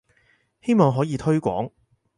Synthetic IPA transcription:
he˥jmɔː˨˧ŋɦɔː˨˥jiː˨˧t̪ʰɵ˥ɥkʷɔ̰ː˨˥ŋ

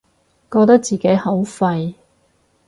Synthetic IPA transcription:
kɔː˧k̚t̪ɐ˥k̚t͡siː˨˩ke˨˥jho˨˥wfɐ˧j

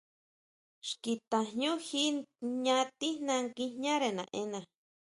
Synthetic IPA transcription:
ʃki˧t̪ã˨ɲũ˦xi˦ɲã˦˧t̪i˦nã˧ŋki˧ɲã˦ɾe˨nã̰˨ʔẽ˦nã˨

